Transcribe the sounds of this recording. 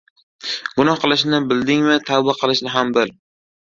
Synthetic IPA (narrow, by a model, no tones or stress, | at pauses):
ɡ̥ʊnɒhqɨlˠɪʃnɪbɪld̪ɪŋvat̪ʰabaqʰɨlˠɪʃnɪɦambɪl